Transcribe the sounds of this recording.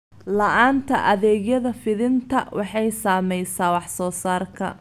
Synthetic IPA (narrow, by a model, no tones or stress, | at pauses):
lɐʔaːnt̪ʰɐʔɐðɛːɣjɐðɐfɪðɪnt̪ʰɐwʔɑħɑjsaːmɛjsaːwɑħsɔːsaːrkʰɐ̰